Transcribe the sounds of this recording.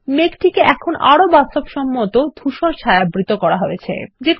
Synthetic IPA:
mekʈʰikeʔɛkʰonʔa̰ɾobasobʃɔmːot̪od̪ʱuʃoɾt͡ɕʰajabɾit̪okɔɾaɦojet͡ɕʰḛd͡ʑek

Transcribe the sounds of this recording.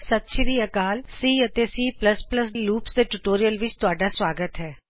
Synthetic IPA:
sət̪ʃɾiːəkaːlsiːət̪eːsiːpləspləsluːpsd̪eːʈuːʈoːɾijəlʋɪt͡ʃt̪ʊaːɖaːsʋaːɡət̪ɦɛː

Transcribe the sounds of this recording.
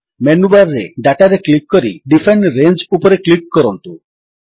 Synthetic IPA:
menubaɾːḛɖaʈaɾeklikːɔɾḭɖifʰeɳʈɾend͡ʒupɔɾeklikːɔɾɔnt̪u

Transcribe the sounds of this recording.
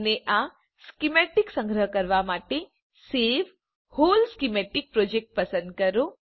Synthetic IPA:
neʔa | skimeʈiksə̃ŋɡɾəɦkəɾʋamaʈe | seʋ | holskimeʈik̚pɾod͡ʒek̚ʈ̚pəsə̃nd̪̚kəɾo

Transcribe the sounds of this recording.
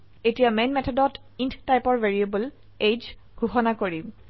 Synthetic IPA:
etijamenmɛtʰɔdɔt | intʰtajpɔɹveɹiebul | ed͡ʒ | ɡʱuxɔnakoɹim

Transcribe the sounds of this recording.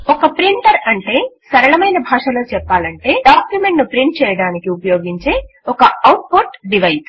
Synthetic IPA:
ɔkɐpɾiɳʈɐɾɐɳʈe̞ːsɐɾɐɭɐmɐjnɐbʱaːʂɐloːt͡ʃɛpːaːlɐɳʈe̞ːɖaːkjumeɳʈnupɾiɳʈ̚t͡ʃɛːjɐɽaːnikiupɐjo̞ːɡiɲt͡ʃe̞ː | ɔkɐɐwʈ̚poʈɖiʋɐjs

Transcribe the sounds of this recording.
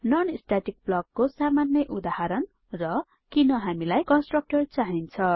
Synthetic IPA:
nʌnisʈaʈik̚blʌɡ̚kosamanjʌʔud̪aɦaɾʌn | rʌ | kinʌɦamilajkʌnsʈrʌk̚ʈʌrt͡saɦint͡sʰʌ

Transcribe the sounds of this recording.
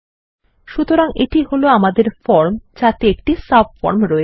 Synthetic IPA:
ʃut̪oɾaŋeʈiɦoloamad̪eɾfɔɾmt͡ɕat̪eek̚ʈisabfɔ̰ɾmɾɔe

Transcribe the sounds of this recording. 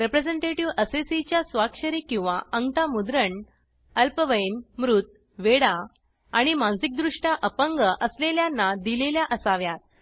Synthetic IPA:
ɾepɾed͡zeɳʈeʈiʋəsesit͡ɕjasʋakʂəɾikĩw̃ʋaəŋt̪amud̪ɾəɳ | əlpəʋəjnmɾut̪̚ | ʋeɽaː | ɽ̃imãnd͡zik̚d̪ɾuʂʈjaʔəpəŋɡəʔəsleljanːad̪ileljaʔəsaʋjat̪̚

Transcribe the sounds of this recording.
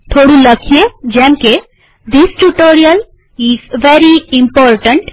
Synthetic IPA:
t̪ʰoːɽuləkʰied͡ʒɛ̃mke | d̪isʈuʈoːɾiəl | izʋeɾiĩmpɔːɾʈə̃ɳʈ

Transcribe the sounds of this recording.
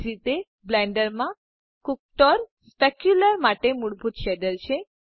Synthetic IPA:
ɾit̪e | blɛɳɖəɾmã | kuk̚ʈɔɾsəkjuləɾmaʈemuɽbʱut̪ʃɛd̪əlɕʰe

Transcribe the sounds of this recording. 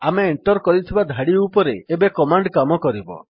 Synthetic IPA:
ameːɳʈɔɾkɔɾit̪ʰibad̪ʱaɽiupɔɾeːbekɔmaɳɖkamɔkɔɾibɔ̰

